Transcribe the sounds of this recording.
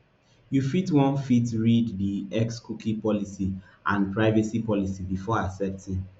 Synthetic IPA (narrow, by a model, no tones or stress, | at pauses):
jufitwɔ̃nfitɹiddiɛkskukĩpɔlisi | ʔãnpɹaɪvɛsipɔlisibifɔasɛp̚tĩn